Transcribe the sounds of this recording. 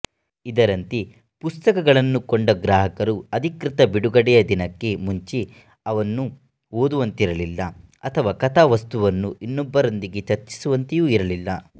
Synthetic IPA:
id̪ɐɾɐnt̪i | pust̪ɐkɐɡɐɭɐnːukoɳɖɐɡɾaːɦɐkɐɾuɐd̪ʱikɾit̪ɐbiɽuɡɐɽɛjɐd̪inɐkːe̞muɲt͡ʃi | ɐʋɐnːu | ɦoːd̪uʋɐnt̪iɾɐlilːɐɐt̪ʰɐʋaːkɐt̪ʰaːʋɐst̪uʋɐnːuʔinːɔbːɐɾo̞nd̪iɡe̞t͡ʃɐɾt͡ʃːi̥suʋɐnt̪ejuːiɾɐlilːɐ

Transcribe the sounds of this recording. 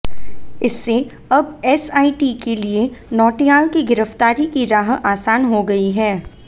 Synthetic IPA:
ɪsːe | ɐbɛːsaːiʈikelienɔːʈijaːlkiɡɪɾəft̪aːɾikiɾaːɦaːsaːnɦoɡɐiɦɛː

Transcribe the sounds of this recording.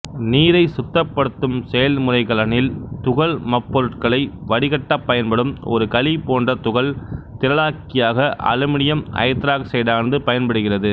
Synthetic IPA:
niːɾɐɪsʊt̪ːɐpːɐɽɯt̪ːɯmsɛjɐlmʊrɐɪkɐlɐnɪlt̪ʊɣɐɭmɐpːɔɾɯʈkɐɭɐɪʋɐɽɪɣɐʈːɐpːɐjɐnpɐɽɯmɔ̰ɾɯkɐlipoːndrɐt̪ʊɣɐɭt̪ɪɾɐɭaːkːɪjaːɣɐʔɐ̰lɯmɪɽɪjɐmɐ̰ɪt̪ɾaːksɛjðaːnðɯpɐjɐnpɐɽɯɣɪrɐðɯ

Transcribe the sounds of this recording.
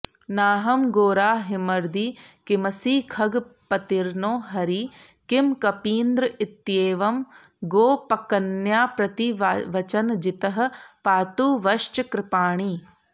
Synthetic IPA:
naːɦɐmɡoːɾaːɦimɐɾd̪iːkimɐsiːkʰɐɡpɐt̪iɾnoːɦɐɾi | kimkɐpiːnd̪ɾɐit̪jeːʋɐm | ɡoːpɐkɐnjaːpɾɐt̪iʋɐt͡ʃɐnd͡ʒit̪ɐɦɐ̆paːt̪uːʋɐʃt͡ʃɐkɾɪpaːɳ̃iː

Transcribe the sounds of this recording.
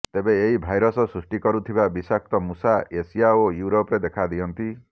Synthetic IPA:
t̪ebeːɦibʱajɾɔsɔsɾusʈikɔɾut̪ʰibabisak̚t̪ɔmusaesijaojuɾopɾed̪ekʰad̪ijɔnt̪i

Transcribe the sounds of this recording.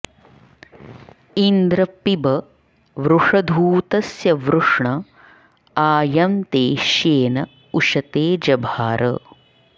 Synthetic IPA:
ind̪ɾɐpibɐ | ʋɾuʂɐd̪ʱuːt̪ɐsjɐʋɾuʂɳɐ | aːjɐmt̪eːʃjeːnɐ | uʃɐt̪eːd͡ʒɐbʱaːɾʔɐ̰

